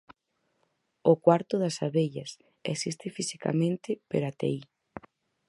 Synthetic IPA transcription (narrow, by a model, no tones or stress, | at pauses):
ʊkwaɾt̪ʊðɐsaβeʎɐs | ḛsist̪ɪfisi̥ka̰mẽnt̪ɪpeɾat̪ḛi